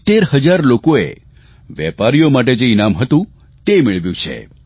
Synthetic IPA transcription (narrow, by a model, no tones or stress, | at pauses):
t̪eɾhəd͡ʒaɾlokoḛ | ʋjɛ̰paɾijomaʈ̬ed͡ʒeinamɦət̪ũ | t̪emɪɭʋjũt͡ʃʰḛ